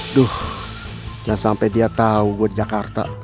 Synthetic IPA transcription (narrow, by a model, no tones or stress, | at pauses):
dʊh | d͡ʒansampɛdiat̪auɡudid͡ʒakart̪a̰